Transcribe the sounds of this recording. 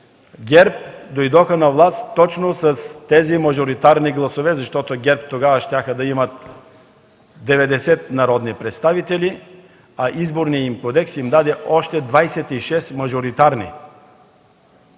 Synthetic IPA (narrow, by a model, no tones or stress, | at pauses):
ɡʲɛɾp̚d̪ojd̪ɔxənɐvlˠast̪t̪ːɔt͡ʃnosɐst̪ɛzimɐʒoɾit̪aɾniɡlˠɐsovɛzɐʃt̪ɔt̪oɡʲɛɾp̚t̪oɡavɐʃt̪ʲaxəd̪ɐimɐt̪ | d̪ɛvɛd̪ɛsɛt̪̚nɐɾɔd̪nipɾɛt̪st̪avit̪ɛli | ɐʔizboɾnijimkod̪ɛksimd̪ad̪ɛʔɔʃt̪ɛd̪vajsɛt̪iʃɛst̪mɐʒoɾit̪aɾnḭ